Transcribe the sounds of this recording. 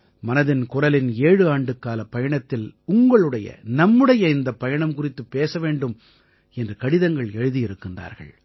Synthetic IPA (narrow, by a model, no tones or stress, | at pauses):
mɐnɐðɪnkʊrɐlɪneːɻɯaːɳɖɯkːaːlɐpːɐjɐɳɐt̪ːɪlʊŋɡɐɭɯɽɐjɐ̰nɐmːɯɽɐjɐɪnd̪ɐpːɐjɐɳɐmkʊrɪt̪ːɯpːeːsɐʋeːɳɖɯm | ɛndrɯkɐɽɪðɐŋɡɐɭɛɻɯðijɪɾɯkːɯnda̰ːɾɣɐ̰ɭ